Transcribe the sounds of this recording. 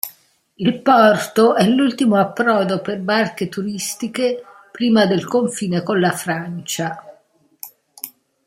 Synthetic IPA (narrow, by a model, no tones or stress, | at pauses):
ilpɔrt̪oʔɛlːult̪imoapːɾɔːd̪operbark̟et̪uɾist̪ike | pɾiːmad̪elkoɱfiːnekonlafɾant͡ʃa